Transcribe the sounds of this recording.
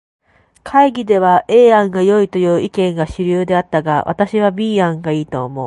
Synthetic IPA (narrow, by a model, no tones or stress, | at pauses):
kʰaiɡʲid̪e̞βaʔe̞ːãŋɡajo̞it̪o̞jɯ̟ːʔikẽ̞ŋɡaɕiɾʲɯːd̪e̞at̪ːaɡa̰βʔa̰t̪aɕiβabʲiːãŋɡaiːt̪o̞ːmo̞̰ː